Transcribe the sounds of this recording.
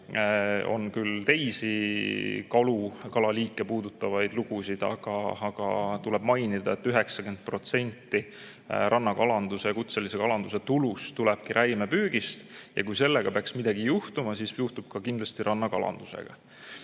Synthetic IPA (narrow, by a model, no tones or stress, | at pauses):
o̞̰nkylt̪e̞jsi | kɑlukɑlɑliːkːˑe̞puːd̪ut̪ːˑɑvɑjd̪̥luɡ̥usid̪̥ɑ̰ɡ̥ɑɑɡ̥ɑt̪ulɛb̥mɑjnid̪̥ɑe̞t̪ːyɦe̞ksɑken̚pro̞t̪se̞nʲt̪ːi | ɾʔɑnːɑkɑlɑnd̪̥use̞kut̪se̞lisekɑlɑnd̪use̞t̪ulust̪ulɛb̥̚kiɾʔæjmepyːɡ̥ist̪jɑ̰kujse̞lːe̞ɡ̥ɑpeɑksmid̪̥ɑɡijuht̪umɑsisjuht̪ub̥kɑkind̪lɑst̪iɾʔɑnːɑkɑ̰lɑ̰nd̪̥use̞̰ɡ̥ɑ̰